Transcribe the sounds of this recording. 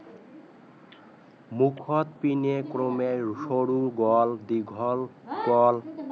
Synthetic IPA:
mukʰɔt̪pinekɾomejʃoɽuɡɔld̪iɡʱɔlɡɔl

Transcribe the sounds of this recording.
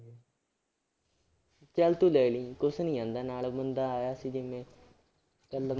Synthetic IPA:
t͡ʃɛlt̪uːlɛːliːkʊsnĩːãːnd̪aːnaːlbənd̪aːaːjaːsiːd͡ʒɪmẽː | kəlːm

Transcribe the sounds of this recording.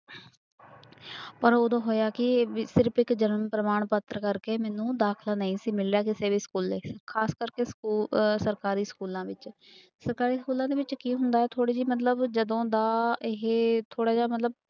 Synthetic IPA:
pəɾoːd̪õːɦoːjaːkɪsɪɾpɪkd͡ʒənəmpɾəmaːɳpət̪ɾəkəɾkeːmɛːnũːd̪aːkʰlaːnəĩːsiːmɪljaːkɪseːʋiːskuːleːkʰaːskəɾkeːskuːsəɾkaːɾiːskuːlãːʋɪt͡ʃ | səɾkaːɾiːskuːlãːd̪eːʋɪt͡ʃkiːɦʊnd̪aːɛːt̪ʰoːɽiːd͡ʒiːmət̪̬ləbd͡ʒəd̪õːd̪aːɪɦt̪ʰoːɽaːd͡ʒaːmət̪ləb̚

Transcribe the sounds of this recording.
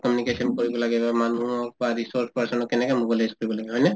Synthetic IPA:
kɔmjunikesɔnkoɹibɔlaɡɛbamanuɔk̚baɹisɔɹspaɹsɔnɔkːɛnɛkɛmobajlajzkoɹibɔlaɡɛɦɔjnɛ

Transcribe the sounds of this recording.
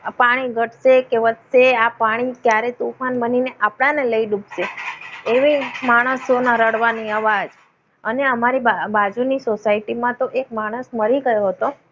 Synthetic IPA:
paɽ̃iɡʱəʈʰʃekeʋət̪seapaɽ̃ikjaɾet̪ufanbənineʔapɽ̃ãneləiɖubʃeeʋimaɽ̃əsonaɾəɽʋaniaʋad͡ʒ | əneəmaɾiabad͡ʒunisosaiʈimãt̪oʔek̚maɽ̃əsməɾiɡəjoɦət̪o

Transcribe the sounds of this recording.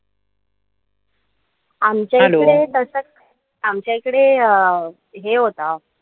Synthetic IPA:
amt͡ɕjaioəɽet̪əsət͡s | amt͡ɕjaikəɽe | ɦeɦot̪a

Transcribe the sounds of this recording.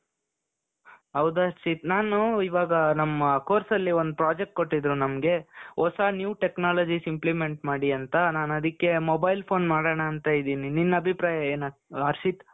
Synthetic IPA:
ɦɐwd̪ɐɾʃit̪̚naːnuiʋaːɡɐnɐmːɐkoːɾsɐlːio̞nd̪upɾaːd͡ʒek̚ʈ̚ko̞ʈːid̪ɾunɐmɡe̞ɔsaːnjuːʈeknaːlɐd͡ʒisimplime̞ɳʈmaːɽiɐnt̪ɐnaːnɐd̪ikːe̞mobɐjlpʰoːnmaːɽɐɳɐːnt̪ajid̪iːnininːɐɐbʱipɾaːjɐeːnaɐɾʃit̪

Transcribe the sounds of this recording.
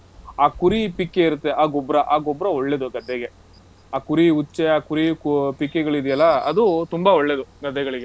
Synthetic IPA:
aːkuɾipikːe̞iɾut̪ːe̞ʔaːɡobɾɐʔaːɡobɾɐoɭːeːd̪uɡɐd̪ʱːɛɡe̞ | aːkuɾiut͡ʃːeaːkuɾikpikːeɡɐɭid̪ijɐlːɐɐd̪ut̪umbɐoɭːeːd̪uɡɐd̪ʱːɛɡɐɭiɡe

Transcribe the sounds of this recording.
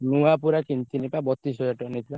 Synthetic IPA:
nuapuɾakint̪inipabɔt̪isɔjɔʈɔnit̪ʰila

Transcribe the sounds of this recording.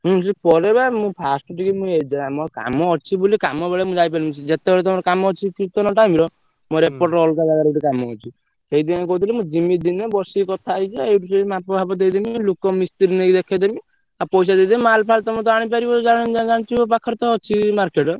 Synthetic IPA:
mũsipɔɾebamũpʰasʈɔʈikimũed͡ʒaamɔɾɔka̰mɔɔt͡ʃʰibulikamɔbeɭemũd͡ʒajp̬aɾimt͡ʃid͡ʒet̪ebeɭt̪̬ɔmɔɾɔkamɔːt͡ʃʰikit̪ɔnɔʈajmiɾɔ | mɔɾepɔɾʈɾɔlk̪aɡaɡaɾeʈikamɔɔ̰t͡ʃʰi | sejd̪iaɡɔɦut̪ʰilemũd͡ʒimid̪inebɔsikɔt̪ʰaːjd͡ʒʰiaeʈusemapɔbʱabɔd̪ejd̪imilukɔmist̪iɾinejd̪ekʰad̪imĩ | apɔjs̬ad̪ejd̪emimalpʰalt̪ɔmt̪ɔaɽ̃ip̬aɾiɔd͡ʒaɽ̃iñd͡ʒad͡ʒaɽ̃t͡ʃʰiɔpakʰɔɾt̪ɔːt͡ʃʰimaɾkeʈɔ

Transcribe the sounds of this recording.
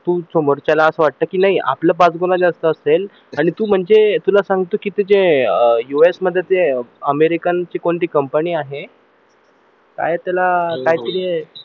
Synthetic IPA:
t̪uːsomoɾt͡ɕalaəsəʋaʈ̚t̪əkiːnaɦiʔa̰pləːbad͡zɡonad͡ʑeəst̪əəsel | aɽ̃it̪uːm̤əɳd͡zet̪ulasãŋɡt̪okit̪ed͡zejuesməd̪ʱːjet̪eəmeɾikant͡ɕikoɳʈ̪iːkəmpəniːaɦe | ka̰jt̪jalakaɦjt̪əɾi

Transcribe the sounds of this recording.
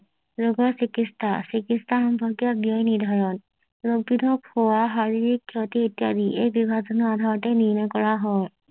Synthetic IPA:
zoɡɔsikistʰasikistʰaxɔmpɔɡijabiɔjniɹd̪ʱaɹɔn | lok̚bidʱɔkhowaɦaɹiɹikʰːɔt̪ietijad̪iʔejbibʱazɔnɔad̪ʱaɹɔtɛniɹnɔkɔɹaɦɔj

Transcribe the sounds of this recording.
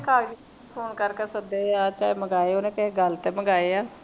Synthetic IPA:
kaːd͡ʒi | pʰoːnkəɾkeːsəd̪eːaːt͡ʃaːeməɡaːeːonẽːkɛɦeɡəlt̪eːməɡaːeaː

